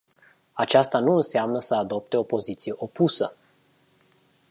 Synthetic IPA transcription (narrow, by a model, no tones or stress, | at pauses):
at͡ʃast̪anuɨnseamnəsəad̪o̞p̚t̪e̞o̞po̞zit̪sije̞ʔo̞pusə